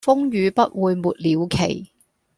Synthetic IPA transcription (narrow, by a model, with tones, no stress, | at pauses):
fʊ˥ŋjyː˨˧pɐ˥t̚wuː˨˧jmuː˨t̚liː˨˧wkʰḛ˨˩j